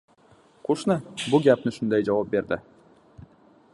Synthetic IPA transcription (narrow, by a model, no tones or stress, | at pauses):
qʰoʃnɨbʊɡʲapnɪʃʊnd̪ajd͡ʒavɑp̚be̞ɾd̪ɪ̰